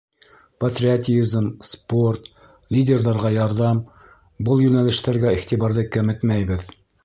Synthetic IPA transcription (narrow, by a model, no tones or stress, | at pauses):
pɐt̪rʲiat̪ʲizmsport̪ | lʲidʲerðɑɾʁɑjɑɾðɑm | bɤlˠjʉnælɘ̆ʃt̪æɾɡæiχt̪iβɑɾðɤkæmɘt̪mæjbɘð